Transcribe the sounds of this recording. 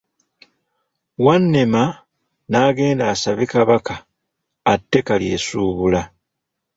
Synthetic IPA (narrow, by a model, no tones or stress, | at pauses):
wanːema | naːɡe̞ːndaːsaβikaβakaː | tːe̞kalje̞ːsuːβula